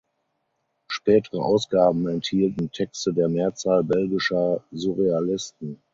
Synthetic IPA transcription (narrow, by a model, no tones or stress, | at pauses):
ʃpɛːtəʁəʔaʊsɡ̥aːbm̩ɛnthiːltn̩tʰɛkstədeːɐmeːɐt͡saːlbɛlɡɪʃɐzuʁealɪstn̩